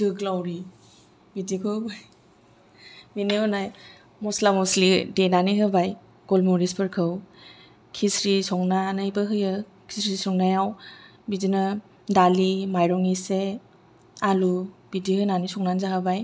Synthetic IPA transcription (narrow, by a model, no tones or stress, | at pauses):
dɯɡlawɾi | bidikʰɯbaj | mineɔnaj | mɔslamɔslidenaniɦɯbaj | ɡ̥ɔlmuɾispʰɯɾkʰɯw | kʰisɾisɔŋnanɯjbɯɦɯjɯ | kʰisɾisɔŋnajaw | bidina | dalimajɾɔŋise | alubidihɯnanisɔŋnanzaɦabaj